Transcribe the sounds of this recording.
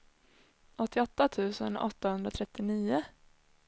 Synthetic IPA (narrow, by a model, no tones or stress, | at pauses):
ʔɔt̪ːɪɔt̪ːat̪ʰʉ̟ːsə̰nɔ̰t̪ːahɵnd̪ɾat̪ʰɾɛt̪ːɪniːʊ